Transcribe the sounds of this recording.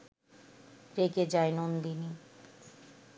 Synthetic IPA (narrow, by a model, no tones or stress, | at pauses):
ɾeked͡ʑaenond̪ini